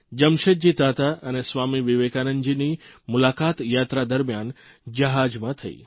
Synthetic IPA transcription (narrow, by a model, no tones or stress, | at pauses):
d͡ʒəmʃəd͡ʒit̪at̪aənesʋamiʋiʋekanənd͡ʒinimʊlakat̪jat̪ɾad̪əɾmjan | d͡ʒəɦad͡ʒmãt̪ʰəḭ